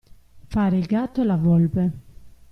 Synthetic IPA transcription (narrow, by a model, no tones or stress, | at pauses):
faɾeɡat̪olavɔlbe